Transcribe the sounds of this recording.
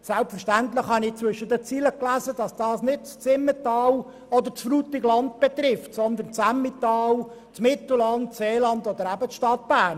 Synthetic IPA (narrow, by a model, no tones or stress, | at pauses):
sælpfəʁʃtæntlɪχhɑnɪt͡sʋʏʃədət͡siːləklæːzəd̥ɑsd̥ɑːsnɪd̚t͡st͡sɪmːətɑːl | ɔd̪əɾt͡sfluːt̪ɪɡlɑnt̪̚b̥ɛt̪ɾɪftsɔnd̪ənt͡sæmit̪ɑːl | t͡smɪt̪l̩lɑntseːlɑndɔd̪əɾæbət͡sʃtɑt̪̚b̥æːn